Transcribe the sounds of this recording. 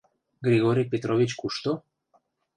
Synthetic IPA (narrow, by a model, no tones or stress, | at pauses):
ɡɾiɣoɾipet̪ɾoβit͡ʃkuʃt̪o